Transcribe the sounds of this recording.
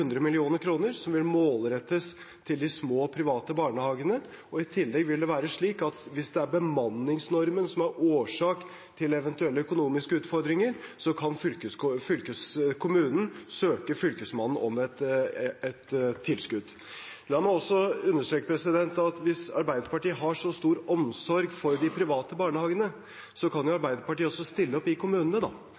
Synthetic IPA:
ʉnd̪ɾəmɪlɪuːnəɾkʰɾuːnəɾsɔmʋɪlmoːlɾɛt̪ːəs | t̪ʰɪld̪ɪsmoːpʰɾɪʋɑːt̪əbɑːɳəhɑːɡənə | ɔɪt̪ʰɪlːɛɡʋɪld̪ɛʋæːɾəʂɭiːkɑt̪ʋɪsd̪ɛæɾbəmɑnːɪŋsnɔɾmənsɔmæɾoːʂɑːk | t̪ʰɪlɛʋɛnt̪ʉɛlːəœkʊnuːmɪskəʉːt̪fɔɾd̪ɾɪŋəɾsɔkʰɑnfʏlkəfʏlkəskʰʊmʉːnn̩søːkəfʏlkəsmɑnn̩ɔmɛt̪ɛt̪ʰːɪlskʉd̪ | lɑːmɑɔsːɔʉnːəʂʈɾøːkəpʰɾɛsɪd̪ɛnt̪ɑt̪ʋɪsɑɾbæɪd̪əɾpɑʈiːəɦɑʂɔst̪uːɾɔmsɔɾɡfɔɾd̪ɪpʰɾɪʋɑːt̪əbɑːɳəhɑːɡənə | sɔkʰɑnjʊɑɾbæɪd̪əɾpɑʈiːəɔsːɔst̪ɪlːəɔpɪkʰʊmʉːnənəd̪ɑ

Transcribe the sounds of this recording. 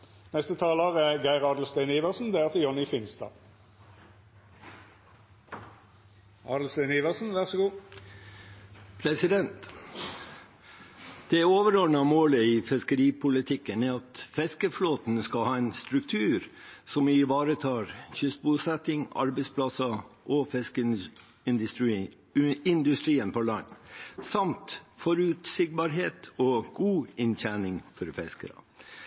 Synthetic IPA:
nɛst̪ət̪ʰɑːləʁæɡæɪʁɑːd̪l̩st̪æɪniːʋəʁsn̩d̪ɛːæʁt̪əjɔnɪfɪnsd̪ɑ̰ː | ɑ̰ːd̪l̩st̪æɪniːʋəʁsn̩ʋæʁsɔɡuː | pʰɾɛsɪd̪ɛnt̪ | d̪̥ɛoːʋəɾɔɾnɑmoːləiːfɪskəɾiːpʰʊlɪt̪ʰɪkːənæːɑt̪fɛskəfloːt̪n̩skɑlhɑːɛɪnst̪ɾʉk̚t̪ʰʉːɾsɔmɪʋɑːɾət̪ʰɑːɾçʏst̪busɛt̪ɪŋɑ̰ɾbɛɪspʰlɑsɑʔɔfɛsk̪ | ɪnd̪ʉst̪ɾiːənpʰɔlɑnːsɑmt̪fɔɾʉt̪sɪɡ̚bɑːɾɦeːt̪ɔːɡ̥uːɪnçæɳɪŋfɔɾfɛ̰skə̰ɾə̰

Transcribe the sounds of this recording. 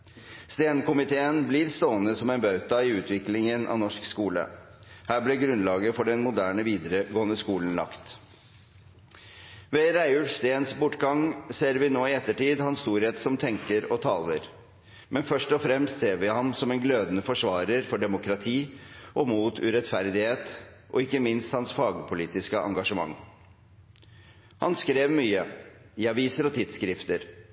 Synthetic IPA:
st̪eːnkʊmɪt̪ʰeːənblɪɾst̪oːənəsɔmɛnbɑʉt̪ɑɪʉːt̪ʰʋɪklɪŋənʔɑ̰ʋnɔʂkskuːlə̰ | hæːblɛɡɾʉnlɑːɡəfɔɖɛnmʊd̪æːɳəʋiːd̪əɾəɡoːənəskuːln̩lɑ̰kt̪ | ʋɛɾæɪʉlst̪eːnsbʊʈːɡɑŋseːɾʋɪnoːɪɛt̪ːəʈiːd̪hɑnst̪uːɾheːt̪sɔmt̪ʰɛŋkəɾɔt̪ʰɑːləɾ | mʔɛnfœʂʈɔfɾɛmst̪seːɾʋɪhɑmsɔmɛnɡløːd̪nəfɔʂʋɑːɾəɾfɔɖɛmʊkɾɑt̪ʰiːʔɔmuːt̪ʰʉ̰ɾɛt̪fæɾd̪ɪheːt̪ | ʔɔ̰ɪkːəmɪnst̪hɑnsfɑːɡpʰʊliːt̪ɪskəʔɑ̰ŋɡɑʂəmɑ̰ŋː | hɑ̰nskɾeːʋmyːə | ɪɑʋiːsəɾɔt̪ʰɪd̪skɾɪft̪əɾ

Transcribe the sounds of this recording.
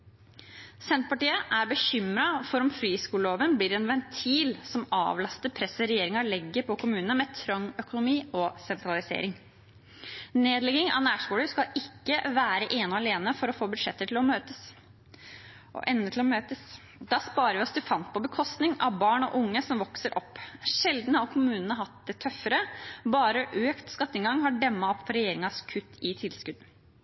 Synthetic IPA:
sɛnt̪̚pɑʈiːəʔæɾbəçʏmɾɑfɔɾɔmfɾiːskuːləloːʋənbliːɾɛnʋɛnt̪ʰiːlsɔmɑ̰ːʋlɑst̪əɾpʰɾɛsəɾɛjeːɾɪŋɑɾlɛɡːəpʰɔkʰʊmʉːnənəmɛt̪ʰɾœŋœkʊnʊmiːɔsɛnt̪ɾɑlɪsḛːɾɪŋ | neːd̪lɛɡɪŋɑ̰næːʂkuːləʂkɑɪkːəʋæːɾəʔeːnʊɑleːnəfɔɾɔfoːbʉd̪ʂɛt̪ːəʈʰɪlɔmøːt̪əs | ʔɔ̰ʔɛnːət̪ʰɪlɔmøːt̪əs | d̪̥ɑːspɑːɾəɾʋɪɔsd̪ʉfɑnt̪̚pʰɔbəkʰɔst̪nɪŋɑʋbɑːɳɔ̰ʔʊŋːəsɔmʋɔksəɾʔɔpːʂɛld̪n̩hɑɾkʰʊmʉːnənəɦɑt̪̚d̪ɛt̪ʰœfəɾəbɑːɾəʔøːkt̪skɑt̪ːɪŋɡɑŋːhɑɖɛmːɑɔpːfɔɾɛjeːɾɪŋɑskʰʉt̪ʰːɪt̪ʰɪlskʉd̪n

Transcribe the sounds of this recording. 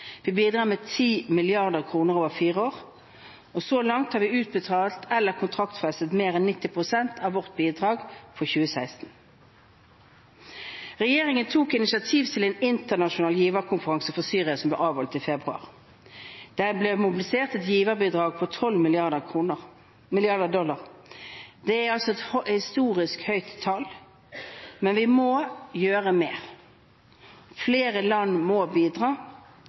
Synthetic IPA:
ʋiːbiːd̪ʁɑːmɛːt̪ʰiːmɪlɪɑʁd̪əʁkʰʁuːnəʁoːʋəʁfiːʁəoːʁ | ɔsoːlɑŋt̪hɑʁʋɪʉːt̪̚bət̪ʰɑːlt̪ʰɛlːəʁkʰʊnt̪ʰʁɑkt̪fɛsət̪meːʁɛnːɪt̪ːɪpʁʊsɛnt̪ʰɑʋʋɔʁt̪̚biːd̪ʁɑːɡfʰɔçʉːəsæɪst̪n̩ | ʁɛjeːʁɪŋənt̪ʰuːkɪnɪsɑt̪ʰiːʋt̪ʰɪlɛːnɪnt̪əʁnɑʃʊnɑːljiːʋəʁkʰʊnfəʁɑŋsəfɔsyːʁɪɑsɔmb̪ɛ̰ːʔɑːʋhɔlt̪iːfɛbʁʉɑ̰ːʁ | d̪̥æblɛmʊbɪlɪseːʁt̪ɛt̪jiːʋəbiːd̪ʁɑːɡ̚pʰɔt̪ʰɔlmɪɪɑ | mɪlɪɑd̪əd̪ɔlːɑʁ | d̪̥ɛæɾɑlsɔɛt̪hhɪst̪uːɾɪskhœʏt̪ʰːɑl | mɛnʋɪmɔjøːɾəmeːʁ | fleːʁəlɑnːmɔbiːd̪ʁɑː

